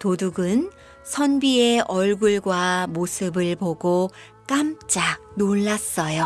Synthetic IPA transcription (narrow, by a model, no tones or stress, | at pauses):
toduɡɯn | sʰʌnbieʔʌɭɡuɭɡwamosʰɯbɯɭpoɡo | k͈amt͡ɕ͈ak̚nonːas͈ʌjo